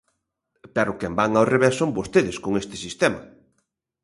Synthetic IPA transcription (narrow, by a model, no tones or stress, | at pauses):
pɛɾʊkɛmbaŋawreβessːombost̪eðɪskoŋest̪ɪ̥sist̪ɛmɐ̰